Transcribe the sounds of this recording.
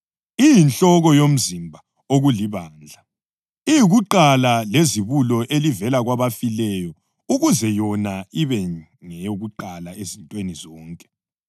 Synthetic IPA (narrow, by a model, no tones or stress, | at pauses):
ijint͡ɬʼɔɣɔjom̩zimbʱa | oɣuliβaːnd͡ɮʱa | ijiɣuǃalaleziβulɔʔelivɛlaɣwaβafilɛjɔ | uɣuzɛjɔnaiβɛ | ŋɛjoɣuǃalaezintʼwenizɔːŋkʼɛ̥